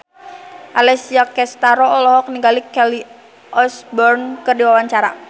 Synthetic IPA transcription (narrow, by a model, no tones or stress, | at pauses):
ʔalɛsiakɛst̪aɾɔɔlɔɦɔk̚niŋɡalikɛli | ʔɔsbɔrnkɨrdiwawaɲt͡ʃaɾa̰